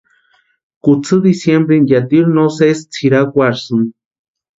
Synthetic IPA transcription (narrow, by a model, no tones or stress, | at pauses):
kut͡sʰɨd̪isjembɾenjat̪iɾnosest͡sʰiɾakʷaɾsɨn